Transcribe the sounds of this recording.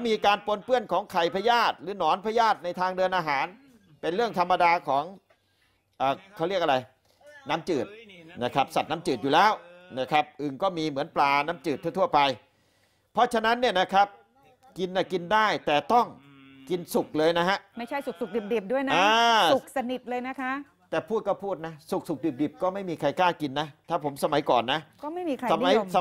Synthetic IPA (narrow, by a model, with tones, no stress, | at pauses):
miː˧kaː˧npo˧npɯ˥˩ənkʰɔː˩˦ŋkʰa˨˩jpʰa˧jaː˥˩t̪̚ɾɯː˩˦nɔː˨˩˦npʰa˧jaː˥˩t̪̚na˧jt̪ʰaː˧ŋdɤː˧ənʔaː˧ɦaː˩˦n | pe˧nɾɯ˥˩əŋt̪ʰa˧mːa˧daː˧kʰɔː˩˦ŋ | ʔəː˨˩kʰɔ˥˩ɾi˥˩ək̚ʔa˧ɾa˧j | na˦˥mt͡ɕɯː˨˩t̪̚na˦˥kʰa˦˥p̚sa˨˩t̪̚na˦˥mt͡ɕɯː˨˩t̪̚juː˨lɛː˦˥˩wna˦˥˩kʰa˦˥p̚ʔɯ˨˩ŋkɔː˥˩miː˧mɯ˩˦ənplaː˨˩na˦˥mt͡ɕɯː˨˩t̪ʰːt̪ʰu˥˩ɐpa˧j | pʰɔ˦˥t͡ɕʰa˧na˦˥nːi˥˩ɐna˦˥kʰa˦˥p̚ | ki˧nːa˨˩ki˧ndaː˥˩jt̪ɛː˨˩t̪ɔ˥˩ŋ | ki˧nsu˨˩k̚lɤː˧jna˦˥ɦa˦˥ʔma˥˩jt͡ɕʰa˥˩jsu˨˩k̚su˨˩k̚di˨˩p̚diː˨˩p̚du˥˩əjna˦aː˧su˨˩k̚sa˧ni˨˩t̪̚lɤː˧jna˦˥kʰa˦˥ʔ | t̪ɛː˨˩pʰuː˥˩t̪̚kɔ˥˩pʰuː˥˩t̪̚na˦˥su˨˩k̚su˨k̚di˨˩p̚di˨˩p̚kɔː˥˩ma˥˩jmiː˧kʰa˧jkaː˥˩ki˧nːa˦˥t̪ʰaː˥˩pʰo˩˦msa˧ma˩˦jkɔː˨˩nːa˦˥ʔkɔː˥˩ma˥˩jmiː˧kʰa˧sa˧ma˩˦sa˧